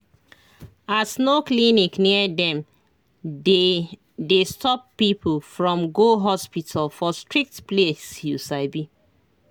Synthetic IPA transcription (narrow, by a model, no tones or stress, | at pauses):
asnoklinikniədɛ̃m | e | destɔpːipʰlfɹɔ̃mɡoɦɔspitʰalfɔstɹik̚tplesjusaɪbi